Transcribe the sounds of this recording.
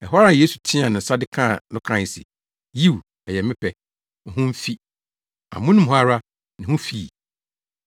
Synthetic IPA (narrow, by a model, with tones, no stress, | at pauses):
ɛ˨ɦɔ˦ɾa˦˨jeː˦su˨tʰĩ˦a˨nɪ̃˨n̩˨sa˦dɪ˦kʰã˦˨nʊ̃˦kʰã˨ɲ˨sɪ̰˨ | ji˦˨w | ɛ˨jɛ˨mɪ̃˦pʰɛ˨ | ɦʊ̃˦m̩˦fi˦ | a̰˨mʊ̃˦nɪ̃˦m̩˨˦a˦ɾa˦ | nɪ̃˨hʊ̃˦fiː˦˨